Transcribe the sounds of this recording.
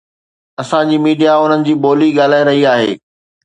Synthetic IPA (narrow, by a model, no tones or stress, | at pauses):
ɐsãd͡ʑiːmiːɖijaʊn̤ənɪ̆d͡ʑiːboːliɠaːl̤aːeɾɐɦiaːɦḛː